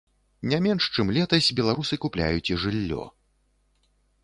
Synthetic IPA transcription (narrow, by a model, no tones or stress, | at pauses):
nʲamʲɛnʂt͡ʂɨmlʲɛt̪ɐsʲbʲɛlˠaɾusɨkuplʲa̰jut͡sʲiʐɨlʲːɔ̰